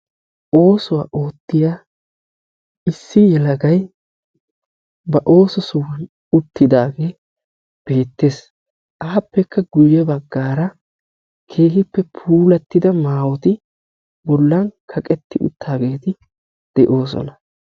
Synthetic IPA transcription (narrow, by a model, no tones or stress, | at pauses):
ʔo̞ːsʊwa̰ːʔoːt̪ːɪjaː | ɪsːɪjɛlɐɡɐj | bɐʔo̞ːsɔsʊwɐn | ʊt̪ːɪd̪aːɡe̞ː | b̥e̞ːt̪ːe̞ːs | ʔaːpːɛkʰːɐɡʊjːɛbɐɡːaːɾɐ | kʰe̞ːhɪpːɛpʰuːlɐt̪ːɪd̪ɐmaːwɔt̪ɪ | bɔlːɐnkʰɐkʼɛt̪ːɪʔʊ̰t̪ʰːaːɡe̞ːt̪ɪ | d̪̥ɛʔo̞ːs̬ɔ̰nɐ